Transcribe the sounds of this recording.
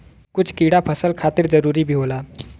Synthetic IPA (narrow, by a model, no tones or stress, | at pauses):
kʊt͡ʃʰkiɽapʰəsəlkʰat̪iɾd͡zəɾuːɾibʱiːɦola